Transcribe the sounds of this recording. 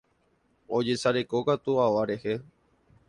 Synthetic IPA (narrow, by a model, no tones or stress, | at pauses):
o̞d͡ʒe̞saɾe̞kokat̪uaʋaɾe̞he